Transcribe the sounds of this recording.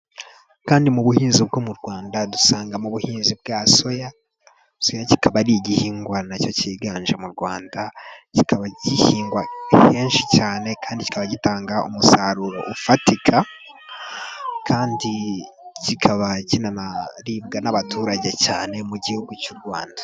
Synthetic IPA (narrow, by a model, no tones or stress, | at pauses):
kaːndimuβuhiːnzib̚ɡomuɾɡwaːndadusaːŋɡamuβuhiːnzib̚ɡaso̞ja | sojaci̥kʰaβaɾiɟihiːŋɡwanaco̞ciɡaːɲʒemuɾɡwaːndaci̥kʰaβaɟihiːŋɡwaheːnʃicaːne̞kʰaːndici̥kaβaɟitaːŋɡaʔṵmusaɾuɾo̞̰ʔufatikʰa | kʰaːndi | cikʰaβacinanaɾiːbɡanaβatʰuːɾaɟe̞caːne̞muɟihuɡucuɾɡwaːndḁ